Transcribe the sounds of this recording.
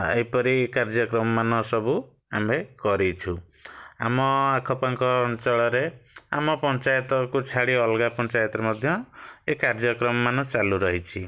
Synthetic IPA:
ḛjpɔɾiekaɾd͡ʒɔkɾɔmɔmanɔsɔbu | amekɔɾit͡ʃʰu | a̰mɔakʰɔpaŋkɔːnt͡ʃɔɭɔɾea̰mɔpɔnt͡ʃajɔt̪ɔkut͡ʃʰaɽiɔlɡapɔnt͡ʃajɔt̪ɔɾemɔd̪ʱjɔekaɾd͡ʒɔkɾɔmɔmanɔt͡ʃaluɾɔɦit͡ʃʰi

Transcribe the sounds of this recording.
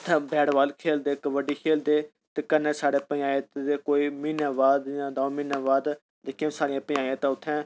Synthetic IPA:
ʊt̪ʰːɛ̃ːbɛːɽʋaːlkʰeːld̪eːkʋəɖiːkʰeːld̪eː | t̪eːkənːẽːsaːɽeːpəãːet̪ekoːiːmiːnãːʋaːd̪jãːd̪aõmiːnãːʋaːd̪ | d̪ɪkʰijãsaːɾɪjãːpəaːãːt̪ãːʊt̪ʰːɛ̃ː

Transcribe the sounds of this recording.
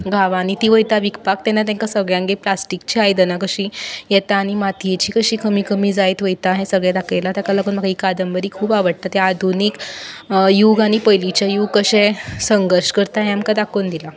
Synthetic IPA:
ɡʱaʋanit̪iːʋəjt̪aʋikpak̚t̪ɛnat̪̬ɛ̃ŋkasəɡɭjãŋɡeplasʈikt͡ɕiajd̪ənakəɕiːjɛt̪aːɽ̃imat̪ʰijet͡ɕiːkəɕiːkəmiːkəmiːd͡zajt̪ʋəjt̪aːɦesəɡɭjad̪akʰəjlat̪jakaləɡuːnməɡaikad̪əmbəɾiːkʰuːpaʋəɽt̪at̪aad̪ʱunik | juɡaɽ̃ipəjlit͡ɕajukəɕẽsəŋɡəɾɕkəɾt̪aɦẽamkad̪akʰond̪ila

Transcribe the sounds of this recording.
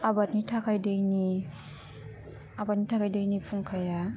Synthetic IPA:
abat̚nitʰakʰajdejni | abat̚nitʰakʰajdajnipʰuŋkʰaja

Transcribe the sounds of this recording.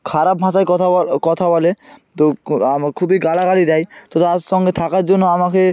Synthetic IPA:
kʰaɾab̚bʱãʃakɔt̪ʰakɔt̪ʰabɔlet̪oamakʰubiɡalaɡalid̪ɛjt̪ot̪aɾʃɔŋɡet̪ʰakaɾd͡ʑonːoamake

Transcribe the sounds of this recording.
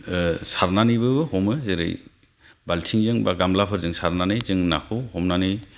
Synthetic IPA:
saɾnanijbɯbɯhɔmɯzeɾɯ̰j | baltʰiŋzɯŋbaɡamlapʰɯɾzɯŋsaɾnanɯjzɯŋna̰pʰɯwhɔmnanɯj

